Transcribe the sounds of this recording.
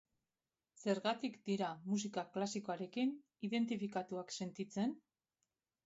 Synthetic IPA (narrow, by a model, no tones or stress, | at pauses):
se̞ɾɣat̪ikd̪iɾamus̬ikaklasikoaɾe̞kin | iðe̞nt̪̬ifikat̪uakse̞nt̪it͡se̞n